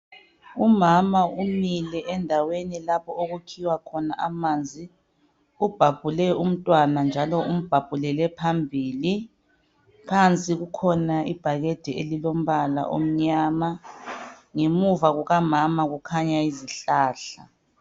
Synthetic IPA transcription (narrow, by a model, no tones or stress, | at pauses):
umamaumilɛʔɛndʱawenilapʰɔoɣukʰiwakʰɔnaʔamand͡zʱi | ub̥ʱab̥ʱulɛum̩tʼwanand͡ʒʱalɔʔum̩b̥ʱab̥ʱulɛlɛpʰambʱiːli | kʰant͡sʼiɣukʰɔnaḭb̥ʱaɣed̥ʱielilom̩βala̰ʔo̰m̩ɲaːma | ŋemuvaɣuɣamamaɣukʰaɲaiziɬaːɬa